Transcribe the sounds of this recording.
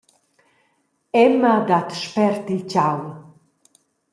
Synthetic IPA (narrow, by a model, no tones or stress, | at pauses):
ɛmad̪at̪ʃpɛrt̪it͡ʃaw